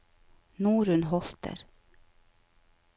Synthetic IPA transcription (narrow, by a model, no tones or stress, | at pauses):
nuːɾʉnɦɔlt̪ʰə̰ɾ